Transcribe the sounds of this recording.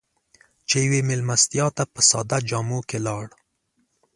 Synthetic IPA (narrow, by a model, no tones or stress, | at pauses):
t͡ʃejwemɪlmast̪jɑt̪apəsɑ̰d̪ad͡ʒɑmokelɑɽ